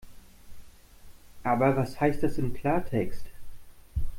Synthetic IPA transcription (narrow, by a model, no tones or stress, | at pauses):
ʔaːbɐvashaɪst̚d̥asɪmkʰl̥aːɐtʰɛkst